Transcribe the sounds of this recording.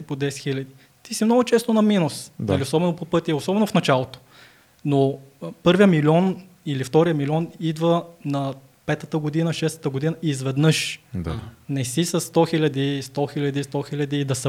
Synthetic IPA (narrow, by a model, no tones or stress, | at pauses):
ipod̪ɛsɛxilʲɐd̪i | t̪isimnɔɡʊt͡ʃɛst̪onɐminusnɐliosɔbɛnopopɤt̪iosɔbɛnofnɐt͡ʃalˠot̪o̥ | nopɤɾvijəmilʲɔn | ilift̪ɔɾijəmilʲɔnid̪vənɐ | pɛt̪ət̪əɡod̪inəʃɛst̪ə̥t̪əɡod̪inəizvɛd̪nɤʃd̪a̰nɛsisɐsːt̪ɔxilʲɐd̪ist̪ɔxilʲɐd̪ist̪ɔxilʲɐd̪id̪ɐsə